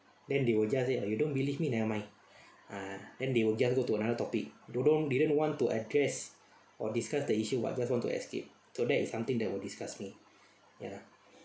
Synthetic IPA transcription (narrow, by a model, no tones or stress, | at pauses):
dɛ̃ndewəld͡ʒaseajudõnbilivminaəmãj̃n | adɛ̃ndewəld͡ʒasɡotuənadət̪ɔpik̚dodõndidə̃nwɔ̃ntuʔədɹɛs | ʔɔdiskasdəiʃuwa̰ʔd͡ʒaswɔ̃ntṵɛ̰skḛp̚ | sodɛtisːãmt̪ĩŋdɛt̚wildiskasmi | ja̰